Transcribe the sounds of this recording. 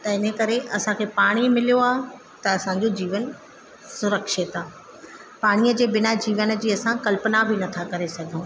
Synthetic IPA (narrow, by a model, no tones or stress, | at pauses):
t̪ɐɪnəkɐɾeʔɐsãkʰeːpaːɽ̃imɪlijoaːɦ | t̪ɐɐsãd͡ʑod͡ʑiːʋən | sʊɾəkʃɪt̪aː | paːɽ̃iːəd͡ʑeːbɪnad͡ʑiːʋənə̆d͡ʑiːɐsãkɐlpənabɪnɐt̪ʰakɐɾesɐɡʱõː